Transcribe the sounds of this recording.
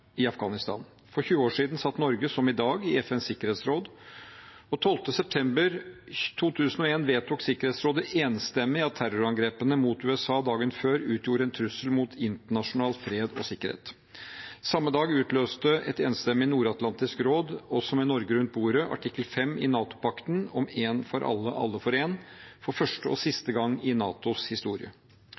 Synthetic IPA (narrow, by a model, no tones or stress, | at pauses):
ɪɑfɡɑːnɪst̪ɑ̰ːn | fɔɾçʉːəoːʂiːd̪n̩sɑt̪ːnɔɾɡəsɔmɪd̪ɑːɡɪɛfɛnsɪkːəɾheːt̪sɾoːd̪ | ɔt̪ʰɔlft̪əsɛp̚t̪ʰɛmbəɾt̪ʰuːt̪ʰʉːsənɔeːnʋeːt̪ʰuːksɪkəɾheːt̪sɾoːd̪əʔeːnst̪ɛmːɪɑt̪ʰːæɾɔɾɑŋɡɾeːpənəmut̪ʉːɛsɑːd̪ɑːɡənføːɾʉːt̪ʰjuːɾəɛnt̪ʰɾʉsəlmut̪ʰɪnt̪əɳɑʂʊnɑːlfɾeːd̪ɔsɪkːəɾhḛːt̪ | sɑmːəd̪ɑːɡʉːt̪ʰløːst̪əɛt̪eːnst̪ɛmːɪnuːɾɑt̪lɑnt̪ɪskɾoːd̪ɔsɔmɛnɔɾɡəɾʉnt̪̚buːɾəʔɑ̰ʈʰɪkːəlfɛmːɪ̰nɑːt̪ʊ̥pʰɑkt̪ən̩ɔmeːnfɔɾʔɑ̰lːəʔɑ̰lːəfɔɾeːnfɔɾfœʂʈəɔsɪst̪əɡɑŋːɪnɑ̰ːt̪ʊshɪst̪uːɾɪ̰ə̰